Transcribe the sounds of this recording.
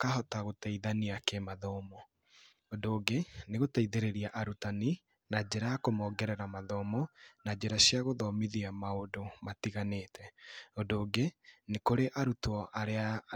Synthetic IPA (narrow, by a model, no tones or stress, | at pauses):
kaɦɔtaɣotaiðaniakemaðɔmɔ | ondoːɡeneɣotaiðeɾeɾiaʔaɾutani | nad͡ʑeɾajakomɔɡɛɾɛɾamaðɔːmɔnad͡ʑeɾaɕiaɣoðɔmiðiamaondomatiɣanetʰɛondoːɡenekoɾeʔaɾutɔʔaɾea